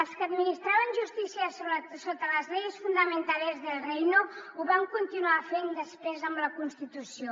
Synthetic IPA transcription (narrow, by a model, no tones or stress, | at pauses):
əlˠskəd̪minist̪ɾaβənʒust̪isiəsoβɾəsot̪ələzlɛjsfund̪əmənt̪aləzðəlˠrɛjnouβaŋkunt̪inuafend̪əspɾezəmbləkunst̪it̪usio